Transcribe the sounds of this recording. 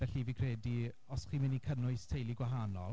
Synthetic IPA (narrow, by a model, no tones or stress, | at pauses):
vɛɬivikʰrɛdi | ɔsχiːmɪnikʰənʊɨstʰejlˠiɡwaɦaːnɔlˠ